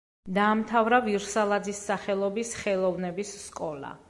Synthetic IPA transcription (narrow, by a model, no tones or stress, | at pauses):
d̪aːmt̪ʰavɾaviɾsalˠad̪zisːaχɛlˠɔbisχɛlˠɔvnɛbisːkʼɔlˠa̰